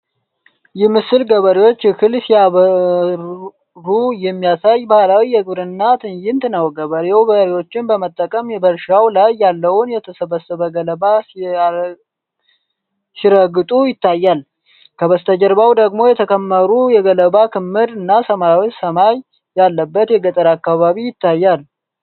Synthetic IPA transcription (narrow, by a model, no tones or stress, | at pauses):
jɛmɨsɨlɡəβəɾewo̞t͡ʃːkʰɨlsijaβə | ujɛmːijasajbahlawijɛɡɨβɾɨnːat̪ʰɨɲjɪnt̪nəwɡəβəɾewbəɾewo̞t͡ʃːɪnbəmət̪ʼːəkʼəmjɛbəɾʃawlajːalːəwʊnjɛt̪ʰəsəβəsəβəɡələba | siɾəɡɨt̪ʼujɪt̪ːajːal | kʰəβəst̪ʰəd͡ʒəɾbawd̪əɡmo̞jɛt̪ʰəkʰəmːəɾujɛɡələβakʰɨmːɨd̪ɨnːasəmaɾawotsəmaj | jalːəbːət̪jɛɡət̪ʼəɾakːaβaβijɪt̪ʰːajːal